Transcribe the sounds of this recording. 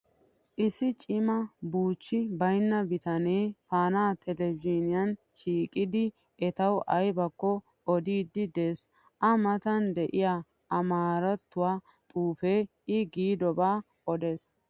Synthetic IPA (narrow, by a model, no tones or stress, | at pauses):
ʔɪsːɪt͡ʃʼɪmɐbuːt͡ʃːɪbɐjnːɐbɪt̪ɐneːfaːnaːt̪ʰɛlɛbd͡ʒinɪjɐn | ʃiːkʼɪd̪ɪ | ɛt̪ɐwʔɐjbɐkːɔ | ɔd̪iːd̪ːɪd̪eːs | ʔɐmɐt̪ɐnd̪ɛʔɪja | ʔɐmaːɾɐt̪ːʊwaː | t̪ʼuːfeː | ɪɡiːd̪ɔbaː | ʔɔd̪e̞ːs